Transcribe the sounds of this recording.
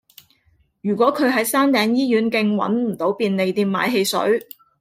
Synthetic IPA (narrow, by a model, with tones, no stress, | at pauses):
jyː˨˩kʷɔː˨˥kʰɵ˨˧ɥɦɐ˨˥jsaː˥nt̪ɛː˨˧ŋjiː˥jyː˨˥nkɪ˧ŋwɐ̰˨˥nmm̩˨˩t̪o˨˥wpiː˧nle˨˧jt̪iː˧mːa̰ː˨˧jɦe˧jsɵ̰˨˥ɥ